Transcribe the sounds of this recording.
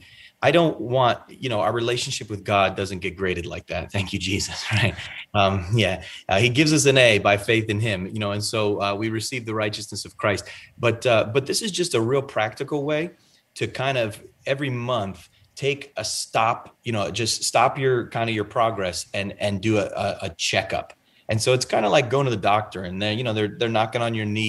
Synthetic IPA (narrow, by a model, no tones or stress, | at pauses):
ʔaɪɾõʊ̃nʔwɑ̃nt̚jɨñoʊʔə̰˞ɹileɪʃn̩ʃɪpwɨðɡɑdʌzɨ̃nɡ̥ɛt̚ɡ̥ɹeɪɾɨdˡlaɪk̚ðæ̰t̪̚θæ̃ŋkʰjɨd͡ʒizɨsɹaɪt̚ʌ̃mjæʔʌiɡɪvzʌs̬ɨ̃neɪbaɪfeɪθɨ̃nɪ̃mjɨñoʊɨ̃nsoʊʌwiɹɨsivðɨɹaɪt͡ʃɨsnɨsʌv̥kʰɹ̥aɪst̚b̥ʌtʌbʌt̪̚ðɪsɨzd͡ʒʌstɨɹilˠpʰɹ̥æk̚tɨkl̩ˠweɪ | ɾɨkʰãɪ̃ndʌvɛvɹimʌ̃nθ | tʰeɪkəstɑpjɨñoʊd͡ʒʌststɑpjə˞kʰãɪ̃ndʌvjə˞pʰɹ̥ɑɡɹɛsɨ̃nɨ̃ndɨɨʔəʔət͡ʃʰɛkʌ̰p | ʔɨ̃nsoʊɨtskʰãɪ̃ndəlaɪk̚ɡ̥oʊɪ̃ɾɨðɨdɑk̚tə˞ɨ̃nðə̃njɨñoʊðə˞ðə˞nɑkɨ̃ŋə̃njə˞ni